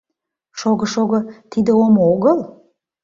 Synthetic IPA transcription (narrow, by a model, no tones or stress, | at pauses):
ʃoɣəʃoɣət̪id̪ə̆omooɣəlˠ